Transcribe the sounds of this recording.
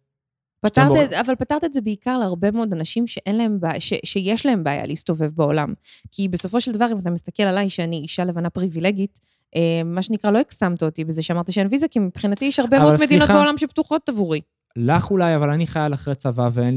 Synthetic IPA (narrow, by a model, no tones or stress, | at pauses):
pataʁtiavalpataʁt̪iedzebeikaʁleaʁbe̞mood̪anaʃimʃeʔe̞nlae̞mbaʃeʃejeʃlae̞mbaːja̰lʔeist̪o̞ve̞vbao̞la̰mkʰibeso̞fo̞ʃeld̪avaʁimat̪amist̪ake̞lalajʃeaniiʃalevanapʁivile̞ɡit | ʔeːaʃenikʁalo̞eksamt̪ot̪ibezeʃeamaʁt̪aʃeenvizakimipχinatijeʃhaʁbemvoodmed̪inobeo̞lamʃeptuχo̞tavuʁi | laχulajavalaniχajalaχʁet͡savaveen